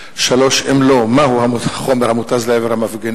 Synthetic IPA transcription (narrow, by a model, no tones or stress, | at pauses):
ʃalo̞ʃemlo̞mahuhaaχo̞meʁhamut̪azleeveʁhamafɡen